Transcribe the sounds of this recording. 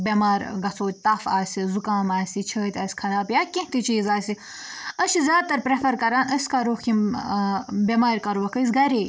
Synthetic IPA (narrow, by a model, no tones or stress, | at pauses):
bʲemaːɾɡɐt͡sʰoːt̪̚ʲt̪ɐfaːsizukaːmaːsit͡ʃʰəːt̪ʲaːsʲkʰɐɾaːbjaːkẽht̪it͡ʃiːzaːsi | ɐʃizʲjaːd̪̚t̪ːɐɾpɾefɐɾkɐɾaːnɐsʲkaɾoːxkʲim | bʲemaːɾʲkɐɾuʋɐkɐs̬ɡɐɾeː